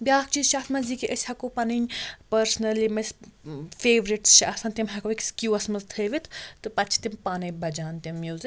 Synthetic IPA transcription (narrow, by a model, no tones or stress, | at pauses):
bʲaːk̚t͡ʃiːzʃaːt̪ʰmɐzikiʔɐsʲhɐkopɐniɲʲpɐɾsnɐlimɐsfeːʋɾiʈsʃaasɐ̃nt̪imɦɐkoikskʲjuːɐsmɐzt̪ʰəːʋit̪ʰt̪ɨpɐtt͡ʃʰi̥t̪impaːnɐbɐd͡ʒaːnt̪imːjuːzik